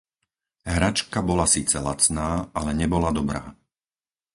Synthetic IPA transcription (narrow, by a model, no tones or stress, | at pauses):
ɦɾat͡ʃkabɔlasiːt͡sɛlat͡snaːʔalɛɲɛbɔlad̪ɔbɾa̰ː